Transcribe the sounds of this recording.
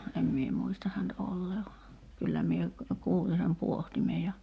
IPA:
em mie muistɑ hænt olːeː ʋɑ kylːæ mie kuːli sem puohtime jɑ

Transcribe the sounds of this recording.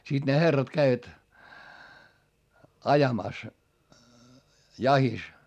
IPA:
siˑt ne herːɑt kæiʋæt ɑjɑmɑˑs jɑhis

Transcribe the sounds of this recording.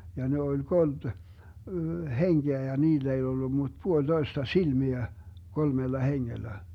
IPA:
jɑ ne olʲ kold̥ heŋɡ̊eæ jɑ niːlː ei olːu mut puolʲd̥oistɑ silmiæ kolmelːɑ heŋːelːæ

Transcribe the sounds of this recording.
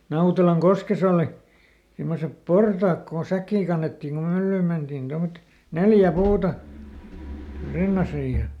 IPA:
nɑutelɑŋkoskes oˑli simːosep portɑːk kon sækːiː kɑnːetːiːŋ kum mylːyːm mentiːn tomːŏtet neljæ puːtɑ rinːɑsij jɑ

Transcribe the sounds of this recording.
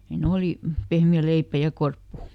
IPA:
hiːn̞ oliˑ pehmiæ leipæ jɑ korpːu

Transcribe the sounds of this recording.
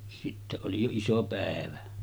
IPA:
sitːe oli jo iso pæˑeʋæ

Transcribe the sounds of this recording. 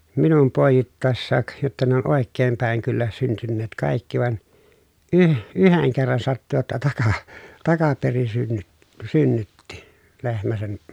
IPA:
minum poˑejitːɑˑesːɑːk jotːɑ ne on oˑekːeːm pæˑeŋ kylːæ syntynːeːt kɑˑikːi ʋɑĕn yh yheŋ kerːɑn sɑtːu jotːɑ tɑkɑ tɑkɑperin synːyt synːytːi lehmæ sen

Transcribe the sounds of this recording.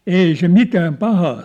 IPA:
ei se mitæːm pɑhɑː

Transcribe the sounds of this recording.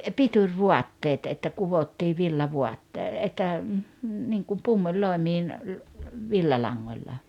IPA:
piturʲʋuɑtːeːt etːæ kuʋotːiː ʋilːɑʋuɑtːeː etːæ niŋkum pumːulʲloˑemiːn ʋilːɑlɑŋːolʲlɑ

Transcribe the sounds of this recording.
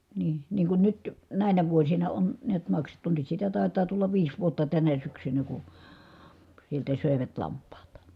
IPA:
niː niːŋ kun nyt næˑinæ ʋuosinɑ on niæt mɑksetːu nyt sitæ tɑˑetɑː tulːɑʋ ʋiːs ʋuotːɑ tænæ syksynæ ku sieltæ søˑeʋæt lɑmpˑɑːt

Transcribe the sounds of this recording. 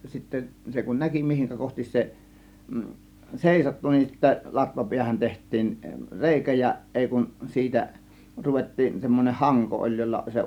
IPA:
sitːæ se kun næki mihiŋkæ kohtis se seˑisotːu nin sitːæ lɑtʋɑpiæhæn tehtˑiːn reˑikæ jɑ ʔeˑi kun siːtæ ruʋetːiːn semːonʲeh hɑŋko ʔolʲ jolːɑ se

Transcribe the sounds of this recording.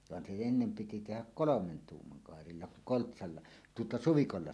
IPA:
ʋɑn se enːem piti tehæk kolomen tuːmːɑŋ kɑˑerilːɑ kuŋ koltsɑlːɑ tuotɑ suʋikolːɑ

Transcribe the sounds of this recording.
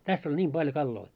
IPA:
tæsː olʲ nʲiːm b̥ɑljo kɑlːoi

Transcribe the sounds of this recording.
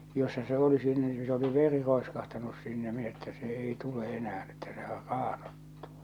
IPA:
josːɑ se oli sinːe ni se oli ʋeri roeskɑhtɑnus sinːe min etːæ se ei tule ʔenææn etːæ sehær rɑːn̥o̥tːu̥

